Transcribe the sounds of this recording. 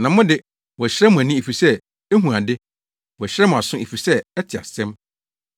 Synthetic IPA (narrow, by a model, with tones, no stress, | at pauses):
nã˨mʊ̃˦dɪ˦ | wɔ˨æ˨ɕɾɛ˦mʊ̃˨æ˨nĩ˦e˨fi˨sɛ˦ | e˦ɦũ˨a˨dɪ˦ | wɔ˨ɕɾɛ˦mʊ̃˨a˨sʊ̃˦e˨fi˨sɛ˦ɛ˦tʰɪ˨a̰˨sɛ̃˦m